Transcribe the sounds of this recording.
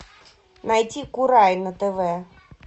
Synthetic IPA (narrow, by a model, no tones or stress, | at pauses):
najtʲikuɾajnət̪ɛvɛ